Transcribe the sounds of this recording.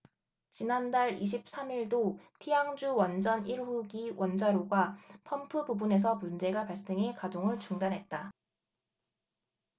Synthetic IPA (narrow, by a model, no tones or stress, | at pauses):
t͡ɕinandaɭiɕ̬ʰip̚s͈ʰamiɭdotʰijaŋd͡ʑuwʌnd͡ʑʌniɾɸuɡiwʔʌnd͡ʑaɾoɡwapʰʌmpʰɯbubune̞s̬ʰʌmund͡ʑe̞ɡapaɭs͈e̞ŋɦekadoŋɯɭt͡ɕuŋdanɦe̞t̚t͈a